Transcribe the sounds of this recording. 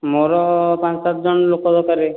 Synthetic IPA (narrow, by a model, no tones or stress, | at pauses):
moɾɔpãt͡ʃsat̪̚d͡ʒɔnlokɔd̪ɔkaɾe